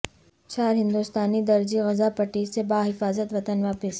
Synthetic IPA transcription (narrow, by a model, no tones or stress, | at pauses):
t͡ʃaːɾɦɪ̃nd̪ust̪aːnid̪ɐɾd͡ʒiɣɐzapɐʈiːsebaːɦɪfaːzət̪ʋɐt̪ənʋaːpɪs